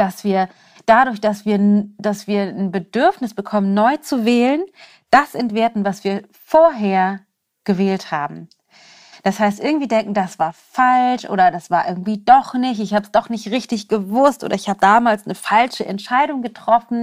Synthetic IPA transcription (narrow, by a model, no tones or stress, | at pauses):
d̥asv̥iːɐ | d̥adʊːɐçd̥asv̥iːɐd̥asv̥iːɐnbədʏɐfnɪsb̥əkʰɔmənnɔʏt͡suvɛːlən | d̥asʔɛntv̥eːɐtn̩vasv̥iːɐ | foːɐɦeːɐ | ɡ̥əvɛːlthaːbm̩ | d̥ashaɪstʔɪɐɡŋ̩tv̥iːdɛŋkŋ̩dasv̥aːɐfalʃʔo̰ːɾɐdasv̥aːɐʔɪɐɡŋ̩tv̥iːdɔχnɪçtɪçhaːbəsd̥ɔχnɪçtʁɪçtɪçɡ̥əvʊstʔo̰ːɾɐɪçhaːbədaːmaːlsnəfalʃəʔɛ̰ntʃaɪɾʊŋɡətʁ̥ɔfn̩